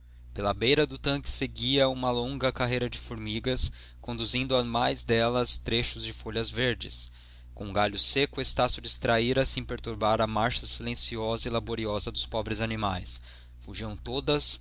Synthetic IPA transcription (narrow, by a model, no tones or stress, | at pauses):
pelɐbejɾɐd̪ʊt̪ɐ̃kɪ̥seɡiɐũmɐlõŋɡɐkaɦejɾɐd͡ʒɪfoɾmiɡɐs | kõnd̪uzĩnd̪ʊamajzd̪ɛlɐst̪ɾeʃʊzd͡ʒɪfoʎɐzveɾd͡ʒɪ̰s | kõũɡaʎʊsekʊest̪asʊd͡ʒist̪ɾaiɾɐsẽj̃peɾt̪uɾbaɾɐmaɾʃɐsilẽsiɔzɐilaboɾiɔzɐd̪ʊspɔbɾɪzanimajs | fuʒiɐ̃w̃t̪od̪ɐs